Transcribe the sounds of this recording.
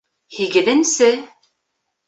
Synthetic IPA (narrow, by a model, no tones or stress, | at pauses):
hiɡɘ̆ðɘ̆nsɘ